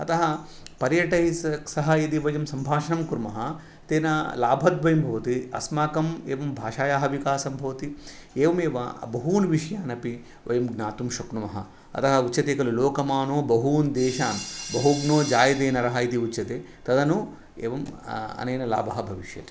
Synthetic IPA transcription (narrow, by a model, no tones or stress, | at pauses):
ɐt̪ɐɦɐpɐɾjɐʈɐɦisɐksɐɦɐit̪iʋɐjɐmsɐmbʱaːʂɐnɐmkuɾmɐɦɐ | t̪eːnɐlaːbʱɐt̪ʋɐjɐmbʱɐʋɐt̪iɐ̰smaːkɐmeːʋɐmbʱaːʃaːjaːɦɐʋikaːsɐmbʱɐʋɐt̪ieːʋɐmeːʋɐ̰bɐɦuːnʋiʂɐjaːnɐpi | ʋɐjɐmɡnaːt̪umʃɐknumɐɦɐ | ɐ̰t̪ɐɦɐutːt͡ʃɐt̪eːkɐluloːkɐmaːnoːbɐɦuːnd̪eːʃaːmbɐɦuɡnoːd͡ʒaːjɐd̪eːnɐɾɐɦɐit̪iutːt͡ʃɐt̪eː | t̪ɐd̪ɐnu | ḛːʋɐmɐ̰nɐjnɐla̰ːbʱɐɦɐbʱɐʋiʃjɐ̰t̪i̥